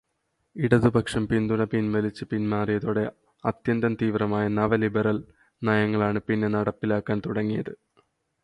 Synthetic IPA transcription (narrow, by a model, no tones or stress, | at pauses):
iɽɐðɨbʱɐkʂɐmpind̪unɐpinmɐlit͡ɕːɨpinmaːrijɐðoːɽe̞ | ɐt̪jɐnd̪ɐmt̪iːʋrɐmaːjɐnɐʋɐlibɐɾɐl | naːjɐŋːɐɭaːɳɨpinːe̞nɐɽɐpːilaːkːaːnt̪uɽɐŋːijɐðɨ